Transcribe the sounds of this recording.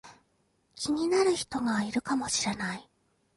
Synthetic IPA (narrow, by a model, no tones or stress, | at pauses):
kʲiɲ̟inaɾɯ̟çi̥t̪o̞ɡaiɾɯ̟kamo̞ɕiɾe̞nai